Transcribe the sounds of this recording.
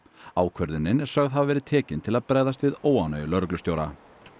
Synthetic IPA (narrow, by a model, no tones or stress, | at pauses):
aːwkʰvœɾðɪnːɪnɛ̥sœɣðɦavvɛːɾɪðt̪ʰɛːcɪnt̪ʰɪlaðpɾɛːɣðast̪vɪðoːwanœːjlœɾklʏst̪jowɾa